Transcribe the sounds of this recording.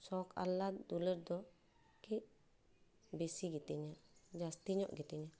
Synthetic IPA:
sɔkʰa̰lad̪uləɾd̪ɔ | kɛʔ | besiɡit̪iɲaʔd͡ʒast̪iɲɔʔɡit̪ɛɲaʔ

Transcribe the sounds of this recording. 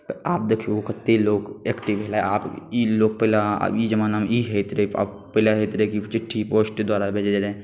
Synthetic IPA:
paːp̚d̪ekʰiokət̪ːeloːɡeːkʈiʋʱelaeaːpiloːɡ̚pɛlaa̰id͡ʒəmanaːmiɦɛt̪ɾəia̰ | pɛlaɦet̪ɾekit͡ʃɪʈʰːipoːsʈd̪waːɾabʱeːd͡ʒed͡ʒɾɛẽ

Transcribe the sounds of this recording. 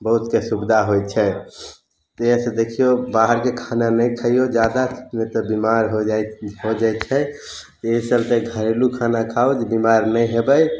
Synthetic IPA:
bəɦut̪kesubd̪ʱaɦojt͡ʃʰɛ | t̪sed̪ekʰijobaɦəɾkekʰananəjkʰəijod͡ʒad̪ḁnet̪ɔbimaɾɦoɦod͡ʒajt͡ʃʰɛt̪esəlt̪eɡʱəɾelukʰanakʰaod͡ʒbimaɾnəj̃ɦebəj

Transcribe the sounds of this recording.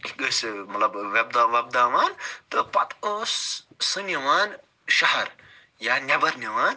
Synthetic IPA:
ɡɨsmɐt̪lɐbʋeb̚d̪aːʋɐb̚d̪aːʋaːnt̪ɨpɐt̪oːsː | ɨniʋaːn | ʃɐɦɐɾ | jaːnʲɐbɐɾnʲɐʋaːn

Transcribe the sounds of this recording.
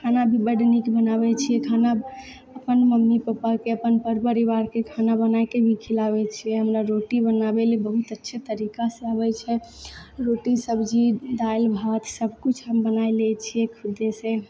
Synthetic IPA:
kʰanabʱibəɖnikbənaβɛt͡ʃʰijɛkʰana | əpənməmːipəpakeəpənpəɾpəɾiʋaɾkekʰanabənajkebʱikʰilabɛt͡ʃʰiɛɦəmɾaɾoʈibənabelebəɦut̪ətːʃʰet̪əɾikaseabɛt͡ʃʰɛɾoʈisəbʱd͡ʒiɖajlbʱat̪səbʱkut͡ʃʰɦəmbənajlɛt͡ʃʰiɛkʰud̪ːesẽ

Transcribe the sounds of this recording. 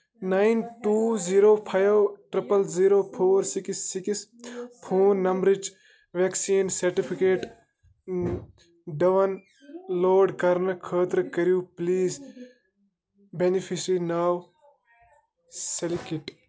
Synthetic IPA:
najnʈuːziɾoːpʰajʋʈɾipɐlziːɾoːpʰoːɾsikisːikispʰuːnːɐmbɾɪd͡ʒ | ʋeksiːnsɐɾʈipʰikeːʈ | ɖɐʋɐn | loːɖkɐɾnɐkʰəːt̪ɾkɐɾijuːpliːz | benipʰisɾinaːw | selikiʈ

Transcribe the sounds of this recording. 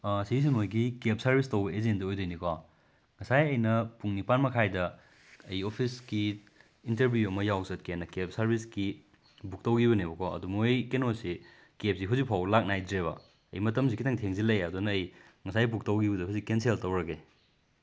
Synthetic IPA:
siis̬imojɡikep̚sɐɾbistɐwbɐezendɐojdojnika | ŋɐsajɐjnɐpuŋnipanmɐkʰajdɐː | jopʰiskiː | nteɾbʱjuɐmɐjawsɐt̚kenːɐkep̚sɐɾbiski | buk̚tɐwɡiβɐnibɐkʰaɐ̰dumojkenosi | kep̚siɦuzik̚pʰawlak̚najdɾeβɐ̰ | ɐ̰jmɐtɐmsikʰitʰɐŋtʰeŋzilɐjɐdunɐːj | ŋɐsajbuk̚tɐwɡibudɐɦuzikenseltɐwɾɐɡe

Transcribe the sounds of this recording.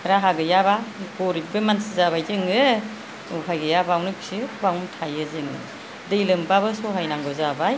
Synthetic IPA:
ɾaɦaɡɯjabaɡɔɾibɯmansizaβajzɯŋɯ | uɦajɡɯjabawnɯksibawmtʰajɯzɯŋɯ̰ | dɯjlɯmbabɯsɔɦajnaŋɡɯzabaj

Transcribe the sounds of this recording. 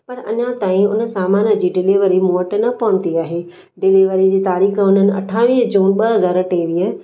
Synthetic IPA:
pɐɾɐ̰ɲãt̪aːĩʊnə̆saːmaːnə̆d͡ʑiːɖɪliʋəɾimoːʈnɐpɐʋə̃n̆d̪iaːɦeː | ɖɪliːʋəɾid͡ʑiːt̪aːɾiːxə̆ʊn̤ənɪ̆ɐ̰ʈʰaːʋiːd͡ʑuːnɓɐɦɐzaːɾʈeːʋiːə

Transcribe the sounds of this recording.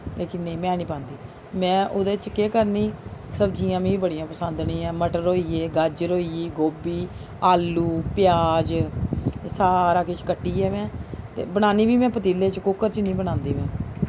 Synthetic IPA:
leːkɪnnẽĩːmɛ̃ːniːpãːnd̪iː | mɛ̃ːʔoːd̪eːt͡ʃkeːkəɾniːsəbd͡ʒijãːmĩːbəɽijãːpəsənd̪nĩːɛ̃ːməʈəɾoːiːeːɡəd͡ʒɾoːiːiːɡoːbiː | aːlːuːpɪjaaːd͡ʒ | saːɾaːkɪt͡ʃkəʈːiːɛːmɛ̃ːt̪ḛːbəɽ̃aːniːbiːmɛ̃ːpət̪iːlːeːt͡ʃkʊkːəɾt͡ʃnĩːbəɽ̃ãːnd̪iːmɛ̃ː

